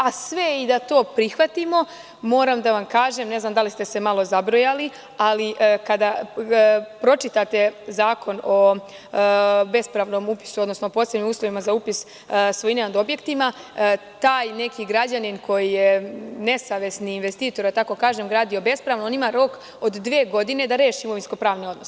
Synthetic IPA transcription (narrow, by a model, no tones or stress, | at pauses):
asʋe̞id̪at̪o̞ːpɾixʋat̪imo̞ | mo̞ːɾamd̪aʋamkaːʒe̞mne̞znamd̪alist̪e̞se̞malˠo̞zabɾojali | aliʔkad̪a | pɾo̞t͡ʃit̪at̪e̞zaːko̞no̞ | be̞spɾaʋno̞ːmupi̥suo̞d̪nosnopoːsebnimuːslˠo̞ʋimazaupis | sʋojinenad̪o̞bje̞kt̪ima | t̪aːjne̞kiɡɾad͡ʑaninkʰo̞jijene̞saʋe̞sniːnʋest̪iːt̪oɾd̪at̪ako̞kaːʒemɡɾaːd̪io̞be̞spɾaʋnonimaɾo̞k | od̪ːʋeːɡo̞d̪ine̞d̪aɾe̞ːʃiːmo̞ʋinsko̞pɾaːʋnio̞d̪nos